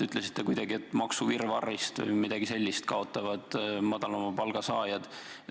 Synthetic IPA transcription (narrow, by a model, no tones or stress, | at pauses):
yt̪ˑlesi̥t̪ˑːe̞kujd̪̥ɑɡiet̪ːˑmɑksuvirvɑrːist̪vɨ̰jmid̪̥ɑɡise̞lʲːist̪̚kʰɑo̞t̪ːˑɑvɑd̪̥mɑd̪̥ɑlɑmɑpɑlɡ̥ɑsɑːjɑd̪̥